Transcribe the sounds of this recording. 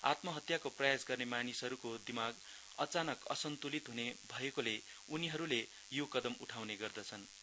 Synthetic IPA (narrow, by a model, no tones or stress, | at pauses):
a̰t̪mʌɦʌt̪jakoprʌjasɡʌrnemanisɦʌɾukod̪imaɡ | ʌt͡sanʌkʌ̰sʌnt̪ulit̪ɦunebʱʌekole | uniɦʌɾule | jokʌd̪ʌmuʈʰawneɡʌrd̪ʌt͡sʰʌn